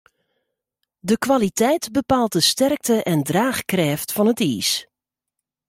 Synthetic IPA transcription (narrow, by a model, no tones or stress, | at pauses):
dəkʋalitɛjtbəpaːlˠt̚dəstɛrk̚təʔɛndraːxkrɛːftfɑnətiːs